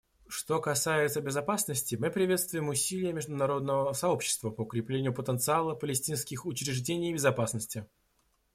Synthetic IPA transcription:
ʂt̪o̞kɐsajɪt̪səbʲɪzɐpasnəsʲtʲɪmɨpɾʲɪvʲe̞t̪st̪vʊjɪmʊsʲilʲɪjəmʲɪʐd̪ʊnɐɾo̞d̪nəvəsɐo̞pɕːɪ̥st̪vəpəʊkɾʲɪplʲenʲɪjʊpət̪ənt̪sɨalˠəpəlʲɪsʲtʲinskʲɪxʊt͡ɕɾʲɪʐdʲenʲɪjbʲɪzɐpasnəsʲtʲɪ

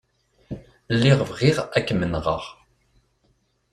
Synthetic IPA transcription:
lːiʁəvʁiʁækːmənʁə̰ʁ

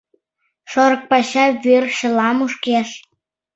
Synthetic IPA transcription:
ʃoɾɤ̆k̚pɑɕɑβerʃə̆lɑmuʃkeʃ

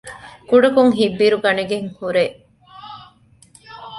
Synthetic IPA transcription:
kuɖɐkuŋɦibːiɾuɡɐneɡeŋhuɾe

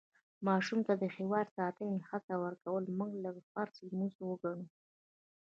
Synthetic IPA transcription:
mɑʃumt̪ad̪əxewɑɾsɑt̪əjxat͡sawəɾkawəlmuɡləɡfaɾslmuzwəɡaɳu

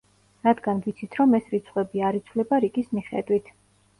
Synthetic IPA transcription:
ɾad̪ɡanvit̪sʰit̪ʰɾɔmɛsɾit̪sʰʼχʼwɛbiaɾit̪sʰvlɛbaɾikʼismiχɛ̰d̪wit̪ʰ

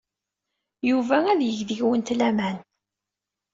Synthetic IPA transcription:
juvææðjəʝðəʝwənt̪læmæn

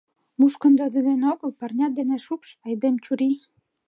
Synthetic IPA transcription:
muʃkə̆nd̪ŏd̪ĕd̪enoɣə̆lpɑrnʲɑt̪̚d̪enæʃukʃɑjd̪emt͡ɕuɾi

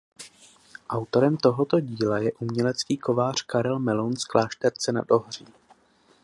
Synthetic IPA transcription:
ʔawt̪o̞ɾɛmt̪o̞ɦo̞t̪o̞ɟiːlajɛʔumɲɛlɛt͡skiːko̞vaːr̝̥kaɾɛlmɛlonsklaːʃt̪ɛɾt͡sɛna̰d̪oɦr̝̥iː

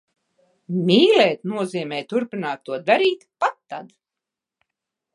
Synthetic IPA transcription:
mʲiːlɛːt̪nuɔziːmʲɛːjt̪uɾpinaːt̪ːuɔd̪aɾiːt̪pat̪ːa̰d̪

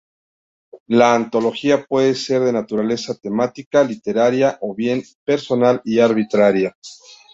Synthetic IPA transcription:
laːnt̪o̞lo̞xiapwe̞ðese̞ɾðe̞nat̪uɾale̞sat̪e̞mat̪ikalit̪e̞ɾaɾjaʔo̞βje̞m | pe̞ɾso̞naliaɾβit̪ɾaɾja

